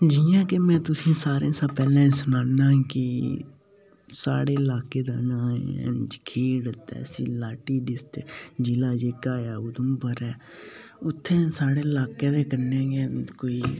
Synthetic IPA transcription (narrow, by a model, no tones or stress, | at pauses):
d͡ʒijãːkemɛ̃ːt̪ʊsĩːsaːɾẽːsəpɛːlẽːsʊnaːnãːkɪ | sa̰ːɽeːɪlaːkeːd̪aːnã̰ːd͡ʒkʰeːɽət̪ːɛ̰ːsiːlaːʈiːɖɪst̪ed͡ʒɪlaːd͡ʒeːkaːjaːʊd̪əmbəɾɛː | ʊt̪ʰːẽːsaːɽeːlaːkeːd̪eːkəɾnẽːɡeːkoːiː